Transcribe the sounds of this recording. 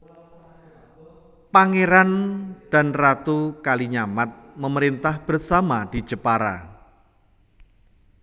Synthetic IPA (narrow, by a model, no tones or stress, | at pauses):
paŋeɾand̥a̤nrat̪ukaliɲamat̪̚məməɾint̪ahb̥ərsamad̥i̤̥d͡ʒəpaɾa̰